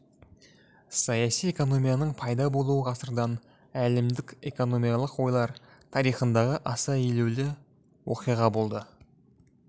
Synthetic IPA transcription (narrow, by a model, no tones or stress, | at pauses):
sɑjɑsije̞ko̞no̞mijɑnəɴpʰɑjd̪ɑbo̞lˠuwəʁʰɑsəɾd̪ɑn | ælɪmd̪ɪkʲe̞ko̞no̞mijɑlˠəqwo̞jlˠɑɾt̪ʰɑɾijχənd̪ɑʁəʔɑsɑelewlɪ | wo̞qijʁɑbo̞lˠd̪ə